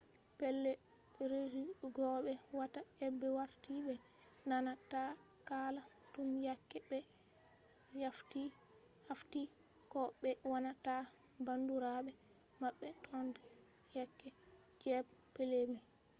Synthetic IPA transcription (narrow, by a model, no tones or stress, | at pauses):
pɛlːɛɾed͡ʒiɡɔɓɛwataɛbːɛwaɾtiɓɛnanatakalatumjakːɛbɛ | jaftihaftikɔɓɛwanatabanduɾaɓɛmaɓːɛtʰɔndɛjakːɛd͡ʒɛbpelemɛ